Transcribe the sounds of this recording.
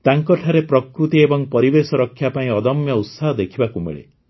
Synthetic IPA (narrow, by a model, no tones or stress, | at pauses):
t̪aŋkɔʈʰaɾepɾɔkɾut̪iebɔŋpɔɾibesɔɾɔkʰːjapaĩɔd̪ɔmjɔut̪saɦɔd̪ekʰibakumḛɭḛ